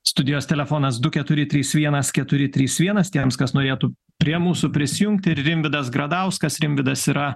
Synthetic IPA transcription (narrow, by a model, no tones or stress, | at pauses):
st̪ʊd̪ʲɪjoːst̪ʲɛlʲɛfoːnɐsd̪ʊkʲɛt̪ʊɾʲɪt̪ʲɾʲiːsʋʲiɛnɐskʲɛt̪ʊɾʲɪt̪ʲɾʲiːsʋʲiɛnɐst̪ʲiɛmskɐsnoːɾʲeːt̪ʊ | pʲɾʲiɛmuːsʊpʲɾʲɪsʲɪjʊŋk̚t̪ʲɪɾrʲɪmʲʋʲɪd̪ɐsɡɾɐd̪ɐʊskɐsɾʲɪmʲʋʲɪd̪ɐsiɾɐ